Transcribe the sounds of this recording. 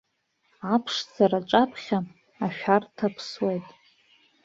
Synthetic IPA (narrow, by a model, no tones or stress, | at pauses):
apʰʂd͡zaɾaʈ͡ʂʼapʰχʲa | aʃᶣartʰapʰswejtʼ